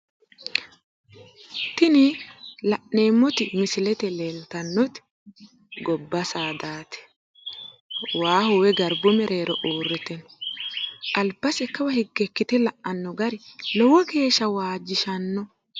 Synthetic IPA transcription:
t̪ɪnɪlɐʔneːmːɔt̪ɪmɪsɪlɛt̪ɛlelt̪ɐnːɔt̪ɪ̥ | ɡɔbːɐsaːd̪aːt̪ɛ̥ | waːhʊwɛɡɐɾbʊmɛɾe̞ːɾɔʔoːrːɛt̪ɛnɔ | ʔɐlbːɐsɛkːɐwɐhɪɡːɛkːɪt̪ɛlɐʔɐnːɔɡɐɾɪlɔwɔɡe̞ːʃːɐwaːd͡ʒɪʃɐnːɔ

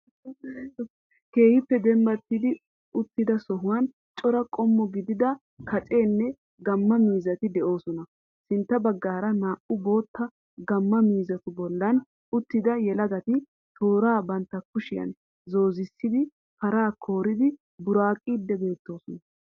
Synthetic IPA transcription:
ke̞ːhɪpːɛd̪ɛmbɐt̪ːɪd̪ɪ | ʊt̪ːɪd̪ɐsɔɦʊwɐn | t͡ʃʼɔɾɐkʼɔmːɔɡɪd̪ɪd̪ɐ | kɐt͡ʃʼe̞ːnːɛ | ɡɐmːɐmiːzɐt̪ɪd̪ɛʔo̞ːsɔnɐ | sɪnt̪ːɐbɐɡːaːɾɐnaːʔʊbo̞ːt̪ːɐ | ɡɐmːɐmiːzɐt̪ʊbɔlːɐn | ʊt̪ːɪd̪ɐjɛlɐɡɐt̪ɪ | t̪ʰo̞ːɾaːbɐnt̪ːɐkʊʃɪjɐ̰n | zo̞ːzɪsːɪd̪ɪ | kɐɾaːkʰo̞ːɾɪd̪ɪ | bʊɾaːkʼːiːd̪ːɛbe̞ːt̪ːo̞ːsɔnɐ

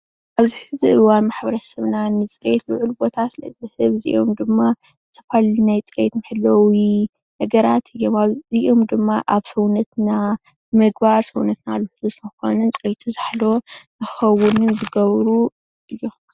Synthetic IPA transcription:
ʔaβziħɨziʔɨwanmaħbɐɾɐsɐβnanɨt͡sʼɨɾe̞t̪lɨʕulbo̞t̪ʰasɨlɐ̰zɨhɨβzɨ̰ʔo̞md̪ɨmːa | ɨt̪ʰɐ̥falnajt͡sʼɨɾet̪mɨħɨlɐwi | nɐɡɐɾat̪ʰɨjːo̞mazɨʔo̞md̪ɨmːaʔaβsɐwnɐt̪na | bɨmɨɡ̚baɾsɐwnɐt̪naluħlusɨnɐxo̞̰nɨnt͡sʼɨɾet̪ʰuzaħlo̞nɨxɐwʊnɨnzɨɡɐβɾu | ʔɨjːo̞

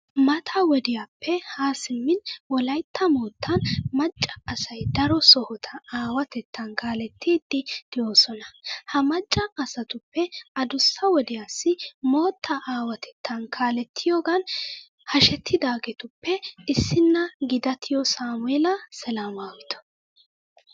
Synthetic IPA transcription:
mɐt̪ʰɐwɔd̪ɪjaːpʰːɛhaːsɪmːɪnwɔlɐjt̪ʰːɐmoːt̪ʰːɐnmɐt͡ʃʼːɐ̥ːsɐjd̪ɐɾɔsɔhɔt̪ʰɐaːwɐt̪ɛt̪ːɐnkʰaːlɛt̪ʰːiːd̪ːɪd̪̥ɪjo̞ːsɔnɐhɐmɐt͡ʃʼːɐɐsɐt̪ʊpːɛɐd̪ʊsːɐwɔd̪ɪjaːsɪmo̞ːt̪ʰːɐʔaːwɐt̪ʰɛ̥t̪ʰːɐnkʰaːlɛt̪ʰːɪjoːɡɐn | hɐʃɛt̪ʰːɪd̪aːɡɛt̪ʊpːɛɪsːɪnːɐɡɪd̪ɐt̪ʰɪjɔsaːmʊɛlɐsɛlaːmaːwɪt̪ɔ̥

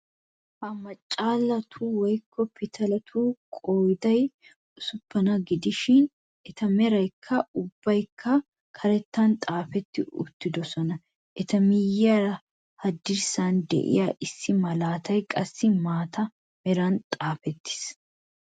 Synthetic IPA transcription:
hɐmɐt͡ʃʼːaːlːɐt̪ʰuːwɔjkʰːɔpɪt̪ʰɐlɐt̪ʰuːkʼoːjd̪ɐj | ʊsʊpːɐnɐɡɪd̪ɪʃɪn | ɛt̪ɐmɛɾɐjkʰːɐʊbːɐjkʰːɐ | kʰɐɾɛt̪ːɐnt̪ʼaːfɛt̪ːɪʊ̰t̪ːɪd̪ɔsɔnɐ | ʔɛt̪ɐmɪjːɐɾɐ | hɐd̪ːɪɾsaːnd̪ɛ̰ʔɪ̰jaːʔɪsːɪmɐlaːt̪ʰɐjkʼɐsːɪmaːt̪ʰɐ | mɛɾɐnt̪ʼaːfɛt̪ʰːɪ̥s

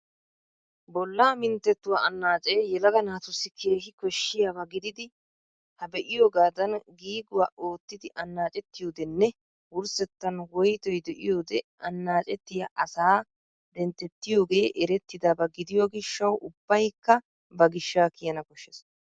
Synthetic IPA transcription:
bɔlːaːmɪnt̪ːɛt̪ːʊwaɐnːaːt͡ʃʼeːjɛlɐɡɐnaːt̪ʊsːɪkʰe̞ːhɪkɔʃːɪjaːbɐɡɪd̪ɪd̪ɪ | hɐbɛʔɪjoːɡaːd̪ɐnɡiːɡʊwaːʔo̞ːt̪ːɪd̪ɪʔɐnːaːt͡ʃʼɛt̪ːɪjo̞ːd̪ɛnːɛ | wʊɾsɛt̪ːɐnwɔjt̪ɔjd̪ɛʔɪ̰jo̞ːd̪ɛʔɐnːaːt͡ʃʼɛt̪ːɪjaʔɐsaː | d̪ɛnt̪ːɛt̪ːɪjo̞ːɡe̞ːʔɛɾɛt̪ːɪd̪aːbɐɡɪd̪ɪjoɡɪʃːɐwʔʊbːɐjkːɐ | bɐɡɪʃːaːkɪjɐnɐkɔʃːɛs

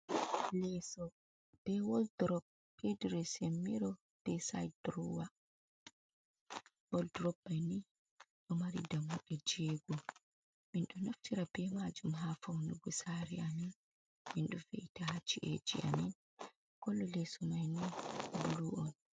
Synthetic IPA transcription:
lɛsɔ | b̥ɛwɔldɾɔb̚ | kediɾɔsemːiɾɔ | b̥ɛsa̰jdɾuwa | wɔldɾɔb̚majni | ɗɔmaɾḭdamuɗɛd͡ʒɛɡɔ | minɗɔnoftiɾabɛmad͡ʒumɦafawnuɡusaɾiamin | minɗɔveitahat͡ʃːiʔɛ̰d͡ʒḭʔa̰min | kɔlːɔlɛsɔmajnibuluʔɔn

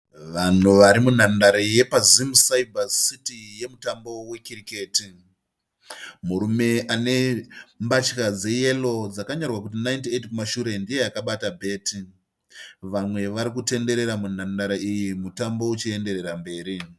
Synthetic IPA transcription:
ʋan̤uʋaɾimun̤andaɾeje̞pazimusaibʱasitije̞mutambo̞we̞kirike̞ːti | muɾume̞ʔane̞mbat͡ʃkad͡ze̞je̞lo̞d͡zakaɲarwakut̬inaintietkumaʃuɾe̞ndije̞jakaɓatabʱe̞ːti | ʋamwe̞ʋaɾikute̞nde̞ɾe̞ɾamun̤andaɾaijimutambo̞ut͡ʃie̞nde̞ɾe̞ɾambe̞ːɾi

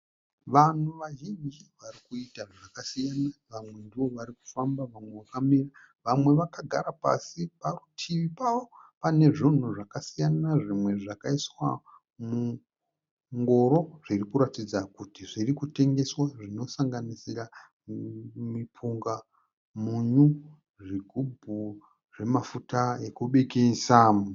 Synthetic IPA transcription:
ʋan̤uʋaʒind͡ʒiʋaɾikuitaʐakasijanaʋamwe̞ndiʋo̞ʋaɾiku̥fambaʋamwe̞ʋakamira | ʋamwe̞ʋakaɡʱaɾapa̰siparutʰiʋipaʋo̞pane̞ʐin̤uʐakasijannaʐimwe̞ʐakaiswa | mu | ŋɡo̞ɾo̞ʐ̥irikuɾatid͡zakutiʐirikute̞ŋɡe̞swaʐino̞saŋɡanisira | mipʰuŋɡa | muɲu | ʐiɡʱubʱu | ʐe̞mafutaekuɓe̞kesaːmu

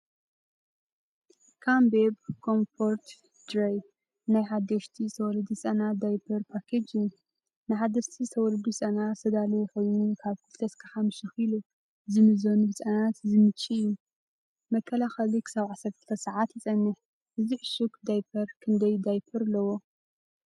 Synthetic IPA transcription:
kʰambebkʰo̞mfo̞ɾt̪ | d̪ɾaj | najħad̪ːɐʃt̪ʰist̪ʰɐwɔlɨd̪isʼɐnad̪ajpʰɐɾpʰakʰed͡ʒin | nɨħad̪ɐʃt̪ʰist̪ʰɐwɔlɨd̪isʼɐnasɐd̪alɐxo̞jnukʰaβkʰɨlt̪ʰɐskʰaħamɨʃixilu | zɨmɨzonubɨt͡sʼɐnat̪zɨmɨt͡ʃʼːiɨjːu | mɐkʰːɐlaxɐlikʰɨ̥saβʕasɐɾt̪ʰɨ̥t̪ʰɐsaʕat̪jɪt͡sʼɐnːɨħ | ʔɨziʕɨʃukd̪ajpʰɐɾkʰɨnd̪ɐjd̪ajpʰɐɾɨlːɐwo

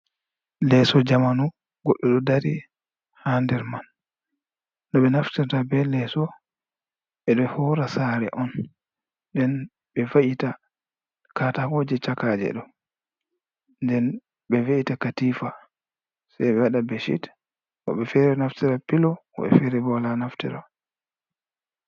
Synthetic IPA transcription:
lɛsɔd͡ʒamanu | ɡ̥ɔɗːɔɗɔdaɾi | handɛɾman | ɔɓɛnaftiɾtabɛlɛsɔ | ɓɛɗɔhɔɾasaɾɛ̰ʔɔn | dɛn | ɓɛvaʔita | katahoːd͡ʒɛt͡ʃakad͡ʒɛ̰ɗɔ | ndɛn | ɓɛvaʔitakatiːfa | sajɓɛwaɗabeʃḭt | ɔ̰ɓɛfɛɾɛnaftiɾapilɔɔ̰ɓɛ̰fɛɾɛbɔlanaftiɾa

